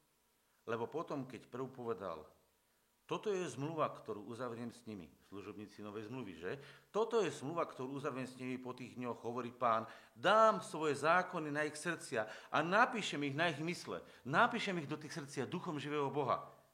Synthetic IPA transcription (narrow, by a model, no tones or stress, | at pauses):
lɛbɔpɔt̪ɔmkɛcpɾ̩upɔʋɛd̪a̰l | t̪ɔt̪ɔjɛzmluʋakt̪ɔɾuːʔuzaʋɾɪɛmsɲimḭsluʒɔbɲiːt͡sinɔʋɛjzmluʋḭʒɛt̪ɔt̪ɔjɛzmluʋakt̪ɔɾuːuzaʋɾɪɛmsɲimipɔt̪iːɣd̪ɲɔɣɦɔʋɔɾiːpaːnd̪aːmsʋɔjɛzaːkɔninaixsr̩t͡sɪaʔanapiːʃɛmiɣnaiɣmislɛ̰ | napiːʃɛmiɣd̪ɔt̪iːxsr̩t͡sɪad̪uxɔmʒiʋɛːɦɔbɔɦa̰